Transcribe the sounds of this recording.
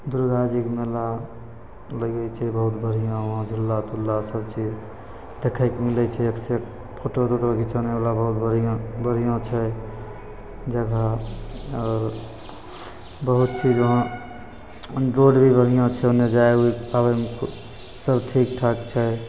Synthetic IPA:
d̪uɾd̪ad͡ʒikmela | ləɡɛt͡ʃʰɛbəɦut̪bʱəɽ̤ijãɦãd͡ʒʱulːat̪ulːasəbt͡ʃid͡ʒ | d̪̥ekʰajkemilɛt͡ʃʰɛekse | pʰoʈot̪ot̪əkit͡ʃʰənebalabəɦut̪bʱəɽ̤ijõbəɽ̤ijõt͡ʃʰɛ | d͡ʒəɡa | ɔːɾ | bəɦut̪̚t͡ʃid͡ʒəɦã | ɾoɖbʱibəɽ̤ijãt͡ʃʰɛoned͡ʒaeuiabemk | səbʈʰik̚ʈʰakt͡ʃʰɛ

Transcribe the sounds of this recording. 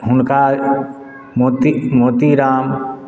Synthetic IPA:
ɦʊnka | moːt̪imoːt̪iɾaːm

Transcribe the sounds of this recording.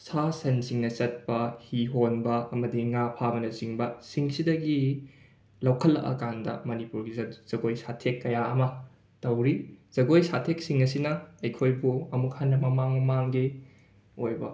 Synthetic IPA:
sasɐnsiŋnɐsɐt̚pɐhiɦonbɐɐmɐdiŋapʰabɐnɐziŋbɐsiŋsidɐɡi | lɐwkʰɐlːɐ̰ʔɐ̰kandɐ̰mɐnipuɾɡizɐz̥ɐɡojsatʰekːɐjaɐmɐ | tɐwɾiz̥ɐɡojsatʰeksiŋɐsinɐɐjkʰojbuɐmuk̚hanːɐmɐmaŋmaŋɡi | ojbɐ

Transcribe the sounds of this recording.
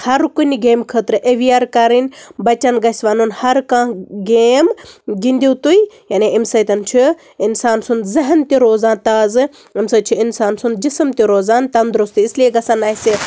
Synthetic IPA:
hɐɾkuniɡeːmkʰəːt̪ɾɨʔeʋijaːɾkɐɾinʲbɐt͡ʃɐnɡɐsʲʋaːnunhɐɾkãːɡeːmɡind̪ʲiːt̪ujjaːneimsɐt̪ɐnt͡ʃʰi | ɪnsaːnsund̪zɐɦnt̪iɾoːzãːnt̪aːzɨ | imsɐt͡ʃʰiɪnsaːnsund̪d͡ʒisɨmt̪iɾoːzaːnt̪ɐnd̪ɾust̪iislieɡɐsɐnaːjse

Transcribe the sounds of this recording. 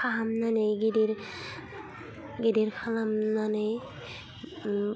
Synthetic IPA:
aɦamnaneɡidiɾ | ɡidiɾkʰalamnanej

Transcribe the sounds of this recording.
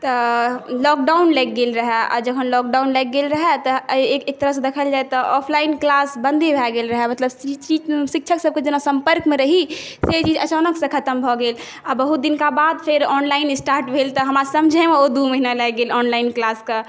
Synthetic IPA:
t̪ɔlɔk̚ɖaʊnlɛk̚ɡelɾəɦɛa̰ːd͡ʒəkʰənlɔːk̚ɖaʊnlɛk̚ɡelɾəɦɛt̪ɔekek̚t̪əɾəɦsẽd̪ekʰəld͡ʒaet̪ɔʔɔpʰlaɪnklasbə̃nd̪ʱebʱɛɡelɾəɦɛmət̪ləbst͡ʃisik̚t͡ʃʰəksəb̚ked͡ʒenasə̃mpəɾkmẽɾəɦiset͡ʃiːd͡ʒət͡ʃanəksẽkʰət̪əmbʱɔɡeːl | abəɦut̪̚d̪inkabad̪pʰeɾɔːnlaɪnɪsʈaːɾʈbʱelt̪ɔɦəmɾasəmd͡ʒʱɛmeod̪uməɦinalɛɡelɔːnlaɪnklaske

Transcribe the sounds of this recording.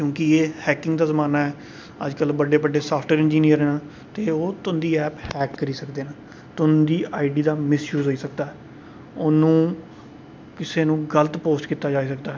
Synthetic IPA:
kjõːkɪeːhɛːkɪŋɡd̪aːzəmaːnaːɛː | ə̰d͡ʒkəlbəɖeːbəɖeːsaːpʰʈəɾɪ̃nd͡ʒiːnijəɾɛːnaː | t̪eːoːt̪ʊnd̪iːɛːphɛːkːəɾiːsəkd̪eːnaː | t̪ʊnd̪iːaːɪɖiːd̪aːmɪsjuːzoiːsəkd̪aːɛː | ʊnũː | kɪseːnũːɡələt̪poːsʈkiːt̪aːd͡ʒaːiːsəkd̪aːɦɛː

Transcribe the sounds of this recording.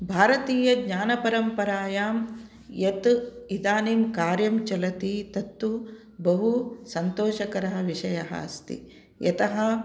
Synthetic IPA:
bʱaːɾɐt̪iːjɐɡɲaːnɐpɐɾɐmpɐɾaːjaːm | jɐt̪id̪aːniːmkaːɾjɐmt͡ʃɐlɐt̪it̪ɐt̪ːu | bɐɦusɐnt̪oːʃɐkɐɾɐɦɐʋiʂɐjɐɦɐ̰st̪ḭ | jɐ̰t̪ɐɦɐ

